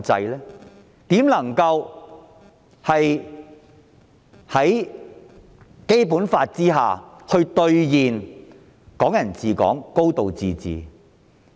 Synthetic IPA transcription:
t͡sɐ˧jlɛː˥ | t̪iː˨˥mlɐ˨˩ŋkɐ˧w | hɐ˨j | hɐ˨˥j | ke˥jpuː˨˥nfaː˧t̚t͡siː˥ɦaː˨hɵ˧ɥt̪ɵ˧ɥjiː˨n | kɔː˨˥ŋjɐ˨˩nt͡siː˨˩kɔ̰ː˨˥ŋko˥wt̪o˨wt͡siː˨t͡sḭː˨

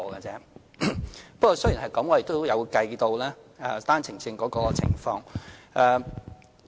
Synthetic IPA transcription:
ɡɐ˧t͡sɛː˥ | pɐ˥k̚kɔː˧sɵ˥ji˨˩nhɐ˨˩jkɐ˨˥mŋɔ˨˧je˨˩t̪o˥jɐ˨˧wkɐ˧jt̪o˧wlɛː˥ | ɐː˧t̪aː˥nt͡sʰɪ˨˩ŋt͡sɪ˧ŋkɔː˨˥kɔː˧t͡sʰɪ̰˨˩ŋfɔː˧ŋʔɛː˨˧

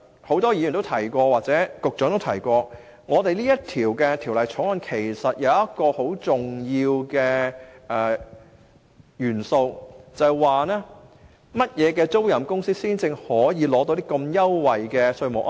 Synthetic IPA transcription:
ho˨˥wt̪ɔː˥jiː˧jːnt̪o˥wt̪ʰɐ˨˩jkʷɔː˧waː˨k̚t͡sɛː˨˥kʊ˨k̚t͡ʃœː˨˥ŋt̪o˥wt̪ʰɐ˨˩jkʷɔː˧ | ŋɔː˨˧t̪e˨jliː˥jɐ˥tt̪ʰiː˨˩wkɛː˧t̪ʰiː˨˩wlɐ˨jt͡ʃʰɔ˨˥ŋɐ˨˥nkʰe˨˩jsɐ˨t̚jɐ˨˧wjɐ˥t̚kɔː˧ho˨˥wt͡sʊ˨ŋjiː˧wkɛː˧ʔɛː˨˩ | jyː˨˩nso˧wt͡sɐ˨˩jwaː˨nɛː˥ | mɐ˥t̚jɛː˨˧kɛː˧t͡so˥wjɐ˨˩mkʊ˥ŋsiː˥siː˥nt͡sɪ˧ŋhɔː˨˥jiː˨˧lɔː˨˥t̪o˧˥wt̪iː˥kɐ˧mjɐ˥wːɐ˨jkɛː˧sɵ˧ɥmʊ̰˨kʔ

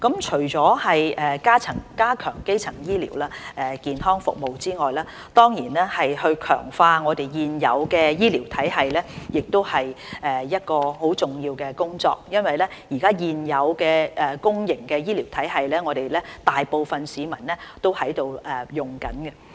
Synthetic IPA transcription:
kɐ˨˥mt͡ʃʰɵ˨˩ɥt͡sɔː˨˥hɐ˨jɛː˨˩kaː˥t͡sʰɐ˨˩ŋkaː˥kʰœː˨˩ŋke˥jt͡sʰɐ˨˩ŋjiː˥lḭː˨˩wlaː˥ʔɛː˨kiː˨nɦɔː˥ŋfʊ̰˨k̚mo˨wt͡siː˥ŋɔː˨jlaː˥ | t̪ɔː˥ŋjiː˨˩nɛː˥hɐ˨jhɵ˧ɥkʰœ̰ː˨˩ŋfaː˧ŋɔː˨˧t̪e˨jjiː˨njɐ̰˨˧wkɛː˧jiː˥liː˨˩wt̪ʰɐ˨˥jɦɐ˨jlɛ˥jɪ˨k̚t̪o˥whɐ˨jʔɛː˨˩jɐ˥t̚kɔː˧ho˨˥wt͡sʊ˨˩ŋjiː˧wkɛː˧kʊ˥ŋt͡sɔ̰ː˧k̚jɐ˥nwɐ˨jlɛ˥jiː˨˩kaː˥jiː˨njɐ˨˧wkɛː˧ʔɛ˨kʊ˥ŋjɪ˨˩ŋkɛː˧jiː˥liː˨˩wt̪ʰɐ˨˥jɦɐ˨jlɛː˥ŋɔː˨˧ɾe˨jlɛː˥t̪aː˨jpo˨˧wfɐ˨nsiː˨˧mɐ˨˩nlɛː˥t̪o˥whɐ˨˥jt̪o˨˧wʔɛ˨jʊ˨˩ŋkɐ̰˨˥nkɛ˧

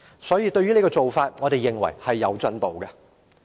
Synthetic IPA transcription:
sɔː˨˥jiː˧t̪ɵ˧ɥy˥le˨˧jkɔː˧t͡so˨wfaː˧t̚ŋɔ˨˧t̪e˨jːɪ˨ŋwɐ̰˨˩jhɐ˨jːɐ˨˧wt͡sɵ˨˥npo˨wɡɐ˧

